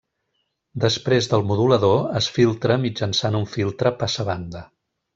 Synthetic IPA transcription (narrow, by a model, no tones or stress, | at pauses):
d̪əspɾezðəlˠmuðuləðoəsfilˠt̪ɾəmid͡ʒənsanuɱfilˠt̪ɾəpasəβand̪ə